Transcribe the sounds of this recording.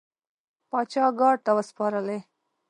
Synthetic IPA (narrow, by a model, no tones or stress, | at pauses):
pɑt͡ʃɑɡɑɽ̚t̪awəspɑɾəle